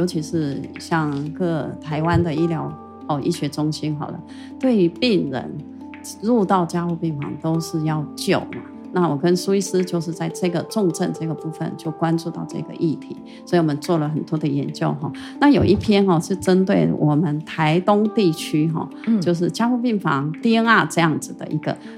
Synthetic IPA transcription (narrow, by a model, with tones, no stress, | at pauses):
jo˧˥t͡ɕʰi˧˥ʂɻ̩˥˧ɕjɑ˥˧ŋkɤ˥˩t̪ʰa˧˥ɪwa˦nd̪ə˨i˥ljɑ˧˥ʊ | xɔ˥˩ʔḭ˥˩ɕɥɛ˧˥ʈ͡ʂʊ˥ŋɕi˥nxɑ˨˩ʊlə̰˦ | t̪we˥˩ɪy˧˥pi˥˩ŋɻə̰˧˥n | ɻu˥˧t̪ɑ˥˩ʊt͡ɕja˥xu˥˧pɛ˥˩nfɑ̰˧˥ŋt̪o˥ʊʂɻ̩˥˧jɑ˥˩ʊt͡ɕjo˨˩ʊmɐ̰˦ | na˥˩wɔ˨˩kə˦nsu˥i˥sɹ̩˥t͡ɕjo˥˧ʊʂ̬ɻ̩˥˧t͡sa˥˧ɪʈ͡ʂɤ˥˩ɡə˩ʈ͡ʂʊ˥˧ŋʈ͡ʂə˥˧nʈ͡ʂɤ˥˩ɡə˩pu˥˩fə̰˨˩nt͡ɕjo˥˩ʊkwa˦nʈ͡ʂu˥˧t̪ɑ̰˥˧ʊʈ͡ʂɤ̰˥˩˧ɡə̰˧ʔi˥˩t̪ʰḭ˧˥˦ | swɔ˧˥i˨˩wɔ˨˩ə˦nt͡swɔ˥˩lə˩xə˨˩nt̪wɔ˥d̪ə˨jɛ̰˧˥nt͡ɕjo˥˧ʊxɔ̰˥˧˩ | na˥˩jo˨˩ʊʔi˥˩pʰjɛ˥nxɔ˥˧t͡ɕo˥˩ʈ͡ʂə˥nt̪we˥˩ɪwʔɔ̰˨˩mə˦nt̪ʰa˧˥ɪt̪ʊ˥ŋt̪i˥˩t͡ɕʰy˥xɔ̰˥˧ | jo˥˧ʊʂ̬ɻ̩˥˩t͡ɕja˥xu˥˧pi˥˩ŋfɑ̰˧˥ŋt̪i˥ə˥ŋa˥˧ʈ͡ʂɤ˥˧jɑ˥˩ŋd͡zɹ̩˨˩d̪ə̰˩ʔi˧˥ɡə̰˧˨